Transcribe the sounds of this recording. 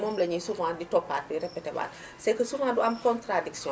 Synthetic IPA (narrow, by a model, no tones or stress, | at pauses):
mɔːmlɐɲisuvãːditɔpːat̚duɾɛpːɛtɛba̰ːt | sɐjkəsuvãːduɐmkɔntɾadiksjɔ̃